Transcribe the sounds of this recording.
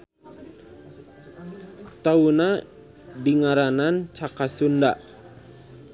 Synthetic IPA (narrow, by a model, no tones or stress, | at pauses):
t̪auna | diŋaɾanant͡ʃakasunda̰